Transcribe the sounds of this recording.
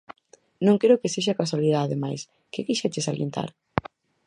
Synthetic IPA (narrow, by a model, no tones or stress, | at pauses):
nõŋkeɾokeseʃ̬akaswaliðaðemajs | kekijʃet͡ʃesaljḛnt̪a̰ɾ